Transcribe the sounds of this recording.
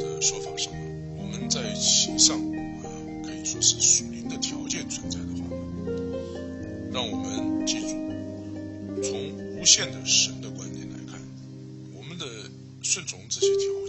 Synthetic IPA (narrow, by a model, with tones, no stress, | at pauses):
d̪ə˧ʂwɔ˥fɑ˨˩ʂə˥ŋ˩ | wɔ˨˩mə˦nt͡sa˥˩ɪɕi˧˥˩ʂɑ˥˩ŋ | ə˩ | kʰɤ˧˥i˨˩ʂwɔ˥ʂɻ̩˥˩ʂu˨˩li˧˥ŋd̪ə˧t̪ʰjɑ˧˥ʊt͡ɕjɛ˥˩nt͡sʰwə˧˥nt͡sa˥˩ɪd̪ə˩xa̰˥˩˨ | ɻɑ˥˩ŋwɔ˨˩mə˧nt͡ɕi˥˩ʈ͡ʂu˥˩ | t͡sʰʊ˧˥ŋu˥ɕjɛ˥˩nd̪ə˩ʂə˧˥nd̪ə˨kwa˥nt̪jɛ̰˨˩nla̰˧˥ɪkʰa̰˥˩n | wɔ˨˩mə˦nd̪ə˨ | ʂwə˥˩nt͡sʰʊ˧˥ŋʈ͡ʂ̩˥˩ɕjɛ˧˥t̪ʰjɑ˧˥